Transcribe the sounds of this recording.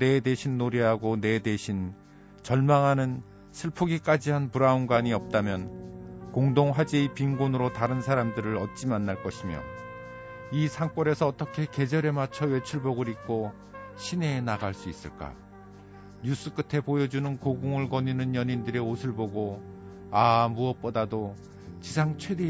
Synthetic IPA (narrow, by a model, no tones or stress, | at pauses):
e̞de̞ɕʰinːoɾiɦaɡone̞de̞ɕʰin | t͡ɕʌɭmaŋɦanɯn | sʰɯɭpʰuɡik͈ad͡ʑiɦanpuɾaunɡwaɲiʌp̚t͈amjʌnkoŋdoŋɸwad͡ʑipiŋɡonɯɾotaɾɯnsʰaɾamdɯɾɯɾʌt͡ɕ͈imanːaɭk͈ʌɕʰimjʌ̰ | isʰaŋp͈ʌɾe̞sʰʌːt͈ʌkʰe̞ke̞d͡ʑʌɾe̞mat͡ɕʰʌwe̞t͡ɕʰuɭboɡɯɾik̚k͈o | ɕʰine̞ːnaɡaɭs͈uis͈ɯɭk͈a̰ | ɲus͈ɯk͈ɯtʰe̞pojʌd͡ʑunɯnkoɡuŋɯɭkʌɲinɯnjʌɲindɯɾeosʰɯɭboɡo | amuʌp͈ʌdado | t͡ɕisʰaŋt͡ɕʰwe̞de